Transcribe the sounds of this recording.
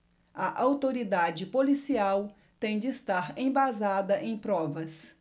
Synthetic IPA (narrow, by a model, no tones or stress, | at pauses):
ɐʔawt̪oɾid̪ad͡ʒɪpolisiaw | t̪ẽj̃d͡ʒɪːst̪aɾẽj̃bazad̪ɐʔẽj̃pɾɔvɐs